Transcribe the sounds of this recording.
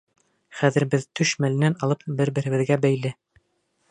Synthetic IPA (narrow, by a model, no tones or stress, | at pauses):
χæðɘ̆ɾbɘðt̪ɵʃmælɘ̆nænɑlˠɤpbɘɾbɘ̆ɾɘ̆βɘ̆ðɡæbæjlɘ